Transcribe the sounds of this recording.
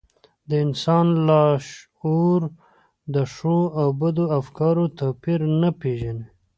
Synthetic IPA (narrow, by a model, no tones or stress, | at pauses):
d̪əɪnsɑnlɑʃ | oɾ | d̪əʂoawbad̪oafkɑɾot̪apiɾnapeʒane